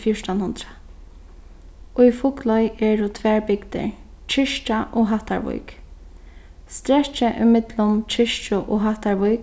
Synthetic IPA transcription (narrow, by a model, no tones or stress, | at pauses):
fjʊɹʈanhʊnd̪ɾa | ʊifʊklɔjɛdʊt̪ʰʋɛːɹbɪkt̪ɪ̰ɹ | t͡ʃʰɪʃt͡ʃaʔoːɦaht̪a̰ɹvʊ̰jk | st̪ɾɛt͡ʃəʔʊmɪt̪lʊmt͡ʃʰɪʃt͡ʃʊʔoːɦaht̪aɹʋʊjk